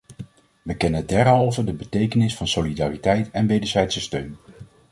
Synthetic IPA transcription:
ʋəkɛnədɛɹɦɑlˠvədəbətejkənɪsfɑnsolidaːritɛjtɛnʋejdəɹzɛjtsəstøɥn

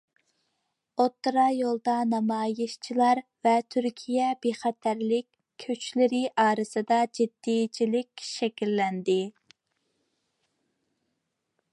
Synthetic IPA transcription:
ot̪ːɾɑjolˠd̪ɑnɑmɑːjɪʃt͡ʃʰilˠɑɾvɛt̪ʰyɾkʲʰijɛbeχɛt̪ʰæɾlɪkʲ | kʰːøt͡ʃlɪɾɪʔɑːɾɨsɨd̪ɑd͡ʒid̪̥ːijt͡ʃʰilɪkʲʃɛkʲilːɛnd̪ɪ

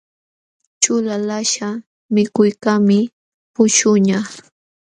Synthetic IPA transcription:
t͡ʃʊlalaʃa | mɪkʊjkamɪ | pʊʃʊɲa

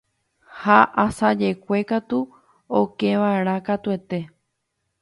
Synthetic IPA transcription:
haʔasad͡ʒe̞kʷe̞kat̪u | okẽʋae̞ɾ̃ãkat̪ue̞t̪e̞

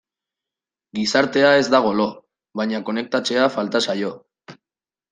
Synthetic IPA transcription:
ɡisaɾt̪e̞ae̞zd̪aɣ̞o̞lo̞ | βaɲako̞ne̞k̚t̪at͡se̞afalt̪asajo̞

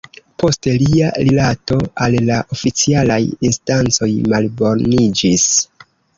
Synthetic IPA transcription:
pʰo̞steliaɾilato̞alːaʔofit͡sialajinstant͡so̞jmalbo̞ɾnid͡ʒis

